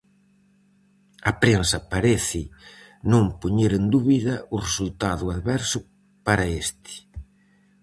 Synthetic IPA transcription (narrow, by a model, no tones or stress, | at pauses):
ɐpɾensɐpaɾɛθɪ | nõmpoɲeɾend̪uβiðɐʊresult̪aðʊaðβɛɾsʊ | paɾɐest̪ʰɪ̥